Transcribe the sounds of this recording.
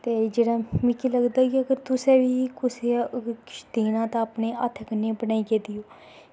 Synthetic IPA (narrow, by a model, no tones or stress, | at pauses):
t̪eːd͡ʒeːɽaːmĩːkiləɡd̪aːɡiəɡəɾt̪ʊsẽːʋiːkʊsekɪʃt̪iːnãːt̪ãːəpneːʔa̰ːt̪ʰəkəneːbənaːiːkeːd̪ijoː